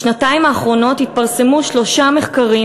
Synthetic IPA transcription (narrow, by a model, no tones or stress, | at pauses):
ʃnataimaːχʁo̞no̞t̪hit̚paʁse̞muʃlo̞ʃame̞χkaʁi